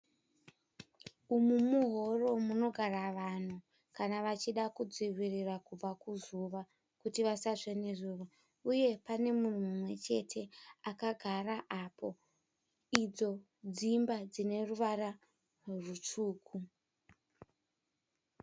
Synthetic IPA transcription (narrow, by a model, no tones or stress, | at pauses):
umumuɦo̞ro̞muno̞ɡʱaraʋan̤u | kanaʋat͡ʃiɗakud͡ziʋirirakub͡vakuzuʋa | kutiʋasaʐenezuːʋa | uje̞pane̞mun̤umumwe̞t͡ʃe̞tʰe̞akaɡʱaɾaʔapo̞ | id͡zo̞ | d͡zimbad͡zine̞ruʋara | rut͡ʂuːkʰu